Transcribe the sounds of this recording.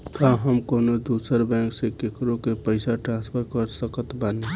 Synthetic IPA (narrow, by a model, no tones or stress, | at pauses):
kãɦəmkoːnod̪uːsəɾbɛ̃ːŋksekekɾõkepəɪsaʈɾãːnspʰəɾkəɾsəkət̪bane